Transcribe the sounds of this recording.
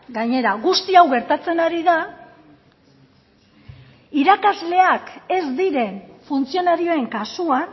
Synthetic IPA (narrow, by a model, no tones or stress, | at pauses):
ɡaɲe̞ɾaɣust̪iawɣe̞ɾt̪at͡se̞naɾiða | iɾakazle̞ake̞zd̪iɾe̞nfunt͡sio̞naɾio̞e̞ŋkasuan